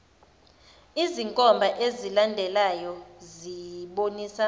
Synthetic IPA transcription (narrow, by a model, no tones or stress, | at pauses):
iziŋkʼɔmbʱaʔezilandʱɛlajɔziɓoniːsa